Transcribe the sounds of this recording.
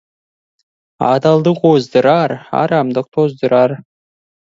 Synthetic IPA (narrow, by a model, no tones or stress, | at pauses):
ɑ̰d̪ɑlˠd̪ɨqozd̪ɨɾɑrɑ̰ɾɑmd̪ɤq̚t̪ʰozd̪ɨɾɑr